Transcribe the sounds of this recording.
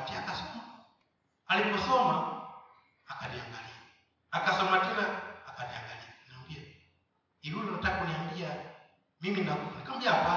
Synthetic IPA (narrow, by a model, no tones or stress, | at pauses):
tɛakasɔkua | alipɔsɔma | akadiaŋɡalia | akasɔmatɛlaːkadiaŋɡalianaumbia | iɾulɔnatakuniambia | miminakukanakamd͡ʒapa